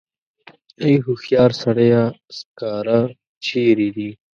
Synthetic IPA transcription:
ejɦuxjɑːɾsɐɽejaskaːɾa | t͡ɕʰiːɾid̪i

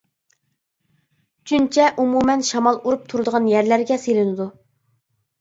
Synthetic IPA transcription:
t͡ʃʰynt͡ʃʰɛʔumumɛnʃɑmɑlˠuɾup̚t̪ʰuɾɨd̪əʁɑnjæɾlæɾɡʲɛselɪnɨd̪u

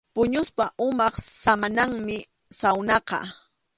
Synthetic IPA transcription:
pʊɲʊspaʔʊmɑχsamanaŋmɪ | sawnɑqɑ̰

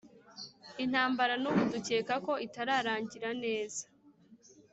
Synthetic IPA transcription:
in̥haːmbaɾanuβuduce̞ːkako̞ʔitaɾaːɾaːɲɟiɾane̞ːzḁ

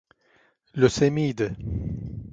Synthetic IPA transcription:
ləsemid̪

